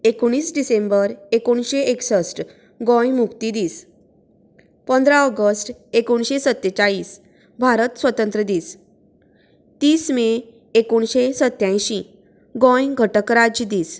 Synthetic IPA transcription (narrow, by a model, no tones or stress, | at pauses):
ekoɽ̃iːsɖisẽmbəɾekoɳɕeeksəsʈ | ɡɔ̃jmukt̪id̪iːs | pənd̪ɾaɔɡəsʈekoɳɕesət̪ːet͡ɕaɭiːs | bʱaɾət̪sʋət̪ənt̪ɾəd̪iːs | t̪iːsmeː | koɳɕesət̪jãj̃ɕĩ | ɡɔ̃jɡʱəʈəkɾad͡ʑd̪iːs